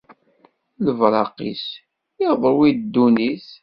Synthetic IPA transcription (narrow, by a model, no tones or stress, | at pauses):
ləvɾˤɑqḭs | jəʁðˤəɾˤwid̪ːunis